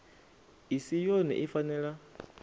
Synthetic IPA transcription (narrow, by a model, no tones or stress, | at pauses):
isijonɛ̰ʔifanɛɺa